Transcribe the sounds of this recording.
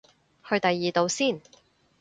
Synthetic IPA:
hɵ˧ɥt̪ɐ˨jːiː˨t̪o˨˧wsiː˥˩n

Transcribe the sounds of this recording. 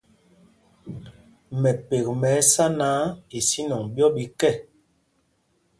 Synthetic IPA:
mɛ˨pe˨kmɛ˨˦sa˦naː˨˦i˨si˦nɔ˨ŋbjɔ˦ɓi˨kɛ˦˨

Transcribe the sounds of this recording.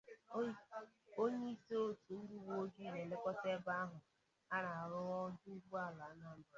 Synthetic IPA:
o˦ɲi˦i˦to˦tu˨n̩˦du˦wo˦d͡ʒi˦˨le˨le˦kɔ˦te˦ba˦a˦ɦʊ˨ | a˦ɾa˨a˨ɾʊ˦ɔ˦du˦ɡu˦a˦˨la˨˦na˦˨˦

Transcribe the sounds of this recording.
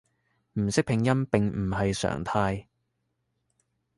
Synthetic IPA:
m̩˨˩sɪ˥k̚pʰɪ˨˧ŋjɐ˥npɪ˨ŋmm̩˨˩ɦɐ˨jsœ̰ː˨˩ŋt̪ʰaː˧j

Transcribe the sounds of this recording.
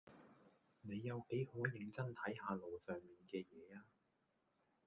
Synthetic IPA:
ne˨˧jːɐ˨˧wke˨˥jhoː˨˥jɪ˨˥ŋt͡sɐ˥nt̪ʰɐ˨˥jɦaː˨˧lo˨wsœː˨ŋmiː˨nkɛː˧jɛː˨˧aː˧

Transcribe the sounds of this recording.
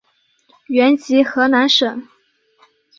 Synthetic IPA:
ɥɛ˧˥nt͡ɕi˧˥xɤ˧˥na˧˥nʂə˨˩˦ŋ

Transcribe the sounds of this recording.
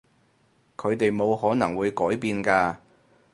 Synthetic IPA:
kʰɵ˨˧ɥt̪e˨jmo˨˧wɦɔː˨˥nɐ˨˩ŋwuː˨˧jkɔː˨˥jpiː˨˧nkaː˧

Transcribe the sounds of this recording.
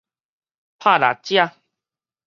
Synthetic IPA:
pʰa˥˧la̰˨˩t͡ɕja˥˧

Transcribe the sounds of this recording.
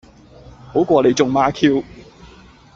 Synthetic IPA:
ho˨˥wkʷɔː˧le˨˧jt͡sʊ˨ŋmaː˨˧˥kʰi˧w

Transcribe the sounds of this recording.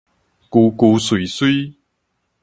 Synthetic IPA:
kuː˧kuː˧su˨˩su˥

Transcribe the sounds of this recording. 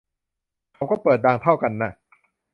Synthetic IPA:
kʰa˧wkɔː˥˩pɤː˨˩t̪̚daː˧ŋt̪ʰa˥˩wka˧nːa˥˩

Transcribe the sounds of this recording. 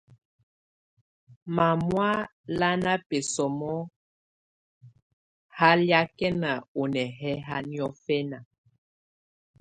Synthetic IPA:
ma˨mwa˦ | la˦na˦pe˨sɔ˨mɔ˦ | ha˦lja˦kɛ˦na˨o˨nɛ˨ɦɛ˦ɦa˦ni˦ɔ˦fɛ˦na˨

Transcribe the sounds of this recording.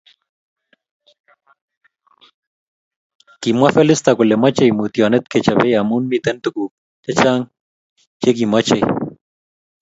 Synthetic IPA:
ki˨mwa˦fɛ˦lɪst̪a˨kʊ˨lɛ˨ma˦t͡ʃe˦˨jmu˨t̪i˨ɔ˨nɛ˦t̪̚ke˨t͡ʃa˨bɛ˦ja˨mu˦nmit̪ɛ˦nt̪u˨ku˨k̚ | t͡ʃɛ˦t͡ʃa˦ŋ | t͡ʃe˦ki˨mɔ˦t͡ʃḛ˨

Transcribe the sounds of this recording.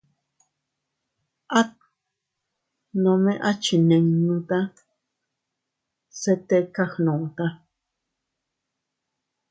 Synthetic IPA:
ʔa˦t̪̚ | nõ˨˧mẽ˦ʔa˦t͡ʃi˨nẽ˨ŋnũ˧t̪a˦ | se˦t̪e˦ka˦xnõ˨t̪a˦

